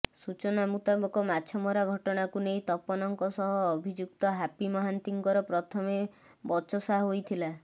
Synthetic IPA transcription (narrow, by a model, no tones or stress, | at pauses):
sut͡ʃɔnamut̪abɔkɔmat͡ʃʰɔmɔɾaɡʱɔʈɔɽ̃akunejt̪ɔpɔnɔŋkɔsɔɦɔːbʱid͡ʒuk̚t̪ɔɦapimɔɦant̪iŋkɔɾɔpɾɔt̪ʰɔme | bɔt͡ʃɔsaɦɦojt̪ʰila